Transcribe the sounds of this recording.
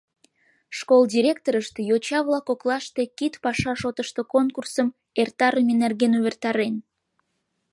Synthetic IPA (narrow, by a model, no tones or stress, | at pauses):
ʃkolˠd̪ʲiɾʲekt̪oɾəʃt̪ejot͡ɕɑβlɑkoklɑʃt̪e̽kit̪pɑʃɑʃot̪əʃt̪okonkursəm | ert̪ɑɾəmenerɣenuβert̪ɑɾen